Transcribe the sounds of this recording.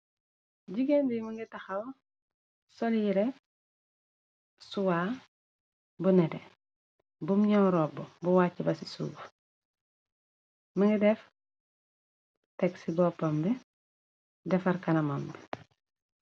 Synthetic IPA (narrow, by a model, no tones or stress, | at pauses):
ɟiɡendimiŋɡitɐxɐw | soljiɾɛ | suwaː | bunɛdɛ | bumɲɔwɾɔːbɔbuwaːcːibɐsisṵːf | miŋɡidɛf | tɛksibɔːpːɔmbɛ | dɛfɐɾkɐnɐmambɛ